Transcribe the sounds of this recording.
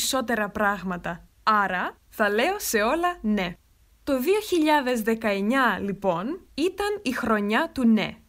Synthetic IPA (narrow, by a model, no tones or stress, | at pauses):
so̞t̪e̞ɾɐpɾɐɣmɐt̪ɐ | ɐɾɐ | θɐle̞o̞se̞o̞lɐne̞ | t̪o̞ðio̞çiʎɐðe̞zðe̞kɐe̞ɲɐlipo̞nit̪ɐnixɾo̞ɲɐt̪une̞̰